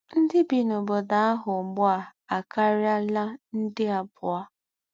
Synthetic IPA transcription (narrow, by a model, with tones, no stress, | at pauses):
n̩˦dɪ˦bi˨no˨bo˨da˨a˦ɦʊ˨ŋ͡m̩˨ɡ͡bʊ˦a˨a˨ka˦ɾja˦la˦n̩˦dɪ˦a˨bʊ˨a˦